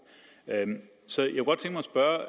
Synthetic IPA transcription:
øm | sɒ̽jakeɡɒ̽d̥t͡sʰe̝ŋɡ̥mɑsb̥ɶɐ

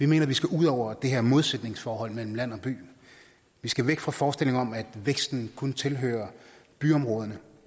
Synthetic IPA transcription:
ʋime̝̰ːnɐʋisɡ̥æʔuð̞̰ˠɒʊ̰ɐd̥e̝ɦeɐmo̝ð̞ˠsed̥ne̝ŋsfɒːɦɒ̽l̰mel̰m̩læn̰ɒ̽b̥y̰ː | ʋisɡ̥æʋeɡ̥fʁɑ̈fɒːsd̥e̝l̰e̝ŋɐɒ̽mæd̥ʋeɡ̥sd̥n̩kʰɔnt͡sʰe̝lɦø̰ːɐb̥yɒ̽mʁɔ̽ːð̞ˠɐnə

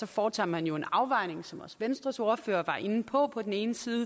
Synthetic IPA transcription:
sɒ̽fɒːt͡sʰɑ̰ːhænjo̝e̝nɑ̈ʊʋɑ̈ɪ̰ne̝ŋsɒ̽mɒ̽sʋensd̥ʁɐso̝ːɐfø̰ːɐʋɑ̈ʔe̝nn̩pʰɒ̽pʰɒ̽d̥en̩e̝ːnəsiːð̞ˠə

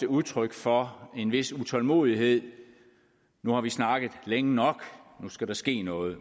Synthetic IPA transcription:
d̥əuðˠt͡sʰʁœɡ̥fɒ̽e̝nʋe̝sut͡sʰɒ̽lmo̝̰ːð̞ˠiɦe̝ð̞̰ˠ | nuhɑ̈ʋisnɑ̈ɡ̥ð̩ˠleŋənɒ̽ɡ̥nusɡ̥æɾɑ̈sɡ̥e̝̰ːnɔ̽ːð̩ˠ

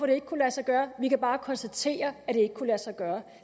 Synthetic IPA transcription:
fɒɾ̥e̝e̝ɡ̥ə̥kʰulæsɑɡ̥ɶːɐʋikæb̥ɑ̈ːkʰɒ̽nsd̥æt͡sʰe̝̰ːɐæd̥e̝e̝ɡ̥ə̥kʰulæsɑ̈ɡ̥ɶːɐ

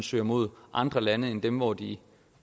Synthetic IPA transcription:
nsø̰ːɐmo̝ð̞̰ˠʔɑ̈nd̥ʁɐlænəend̥emʋɒd̥i

